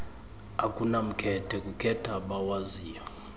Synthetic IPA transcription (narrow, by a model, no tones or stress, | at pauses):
akʼunam̩kʰɛtʰɛkʼukʰɛtʰaɓawaziːja